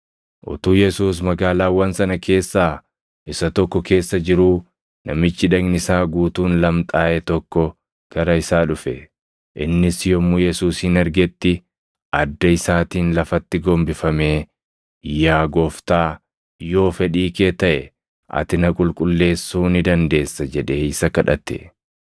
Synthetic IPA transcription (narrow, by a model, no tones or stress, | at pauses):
ʔʊ̰t̪uːjɛsuːs̬mɐɡaːlaːwɐnsɐnɐkʰe̞ːsːaː | ɪsɐt̪ɔkːɔke̞ːsːɐd͡ʒɪɾuː | nɐmɪt͡ʃːɪᶑɐɡnɪsaːɡuːt̪uːnlɐmt̪ʼaːʔɛt̪ɔkːɔ | ɡ̥ɐɾɐɪsaːᶑʊfɛ | ʔɪ̰nːɪsjɔmːujɛsuːsɪnɐɾɡɛt̪ːɪ | ʔɐd̪ːɐɪsaːt̪iːnlɐfɐt̪ːɪɡɔmbɪfɐmeː | jaːɡɔːft̪aː | jo̞ːfɛᶑiːkeːt̪ɐʔɛ | ʔɐ̰t̪ɪnɐkʼʊlkʼʊlːe̞ːsːuːnɪd̪ɐnd̪e̞ːsːɐd͡ʒɛᶑe̞ːɪsɐkɐᶑɐ̰t̪ɛ̰